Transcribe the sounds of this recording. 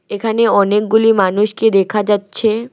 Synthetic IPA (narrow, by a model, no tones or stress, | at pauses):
ekʰaneɔnek̚ɡulimanuʃked̪ekʰad͡ʑatːɕʰe